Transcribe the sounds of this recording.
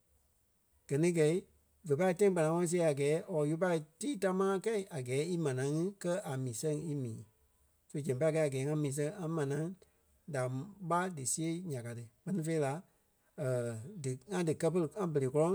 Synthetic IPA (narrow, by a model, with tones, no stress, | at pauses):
ɡ̥ɜ˨nĩ˦ɡɛ˨i˦ | və˨pa˧i˧tã˦ĩ˦k͡pa˨nã˨˦ŋɔ̃˧˦ɔ̃˦˧si˦˧e˧˦a˨ɡɛː˨˦ʔɔ˨˦ju˦p̬a˧i˧tiː˦ta˧˦mãː˦kɛ˦i˨ʔa˨ɡɛː˨˦i˦mã˨nã˨˦ŋɨ̃˦kɜ˦ʔa˨mĩː˨sɛ̃˦ŋi˦mĩː˨˦ | so˦d͡ʒɛ̃˨p̬a˧˦˧kɛ˧˦a˨ɡɛː˨˦ŋã˦mĩː˨˦s̬ɛ̃˧˦ã˦mã˨nã˨˦ | da˨ɓa˦dɨ˨si˦e˦ɲã˨ka˨tɨ˧k͡pɜ˦nĩ˧fe˧˦i˦la˨˦ | ə˨dɨ˨ŋã˦dɨ˨kɜ˦pə˧ɾɨ˧ŋã˦bə˨le˨kɔ˦lɔ̃˦